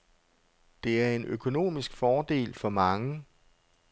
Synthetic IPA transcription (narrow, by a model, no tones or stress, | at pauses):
d̥e̝æɐe̝nʔøkʰo̝no̝̰ːmisɡ̥fɒːd̥e̝̰ːlfɒ̽mɑ̈ŋə